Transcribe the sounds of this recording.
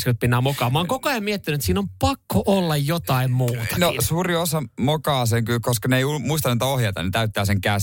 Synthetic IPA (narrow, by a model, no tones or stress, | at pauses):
skelt̪̚pinːɑːmokɑːmɑːŋkokoɑjɑmmiet̪ːinet̪siːnompɑkːoʔolːɑjjot̪ɑimmuːt̪ɑ̥nosuːriosɑmokɑːs̬eŋkylkoskɑneiulːumuist̪ɑnit̪æohjɑt̪ɑ̰net̪æyt̪ːæːseŋkæs